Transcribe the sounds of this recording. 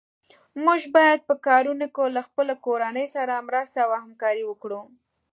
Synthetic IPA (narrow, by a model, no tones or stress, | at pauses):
muʒbɑjad̪̚pəkɑɾunokolaxpəlakoɾanəjsaɾamɾast̪awahamkɑɾiwəkɽu